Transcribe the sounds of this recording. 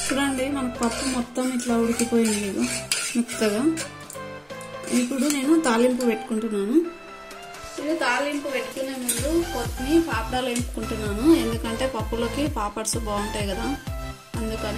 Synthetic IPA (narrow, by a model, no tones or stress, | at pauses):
pːuɽɐɳɖimɐnɐkipɐpːumɔt̪ːɐmiʈlaːuɽikipoːjaɳliːd̪umut̪ːɐɡaː | ipːuɽune̞ːnut̪aːlimpupe̞ʈːu̥kuɳʈunːaːnu | inut̪aːlimpupe̞ʈːu̥kuneːmiːɾupot̪ːnipaːpɖaːlempu̥kuɳʈunːaːnue̞nd̪ukɐɳʈe̞ːpɐpːulo̞ːkipaːpɐɽsubaːuɳʈaːjkɐd̪aː | ɐnd̪ukɐn